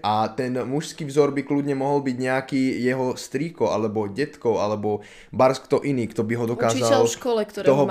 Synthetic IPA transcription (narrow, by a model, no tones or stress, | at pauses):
ʔat̪ɛnmuʃskiːvzɔɾbiklud̪ɲɛmɔɦɔlbiɟɲɛakiːjɛɦɔst̪ɾiːkɔalɛbɔɟɛt̪kɔʊalɛbɔ | baɾskt̪ɔʔiniːkt̪ɔbiɦɔd̪ɔkaːzalʃkɔlɛkt̪ɾɔɦɔ